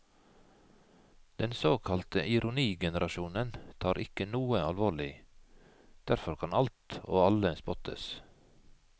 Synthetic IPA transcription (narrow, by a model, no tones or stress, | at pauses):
d̪̥ɛnsoːkʰɑlt̪əʔɪɾʊniːɡɛnəɾʔɑʃuːnənt̪ʰɑːɾʔɪkənuːəɑlʋoːɭɪ | d̪̥æɾfɔɾkʰɑnɑlt̪o̰ːɑləspɔt̪ə̰s